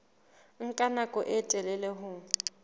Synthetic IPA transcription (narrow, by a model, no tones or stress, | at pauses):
ŋ̩kʼanakʼɔʔɪtʼɛlɛlɛɦʊ